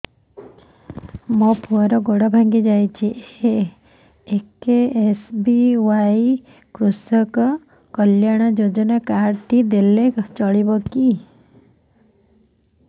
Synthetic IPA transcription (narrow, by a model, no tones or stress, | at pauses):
mɔpʰuɔɾɔɡoɽɔbʱaŋɡid͡ʒajt͡ʃʰiʔe | ekeesbiwaj | kɾusɔkɔ | kɔljaɽ̃ɔd͡ʒod͡ʒɔnakaɾʈ̪id̪elet͡ʃɔɭibɔki